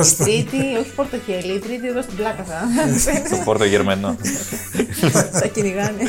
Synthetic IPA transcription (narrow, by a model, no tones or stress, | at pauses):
ɾit̪io̞çi̥fo̞ɾt̪oçe̞liːt̪ɾit̪ieðost̪iblɐkɐsɐet̪ofoɾt̪oʝeɾmɐno | t̪ɐciniɣɐni